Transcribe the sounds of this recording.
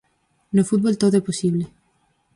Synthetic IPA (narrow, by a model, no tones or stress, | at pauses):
nofut̪̚bolt̪ot̪eposiβle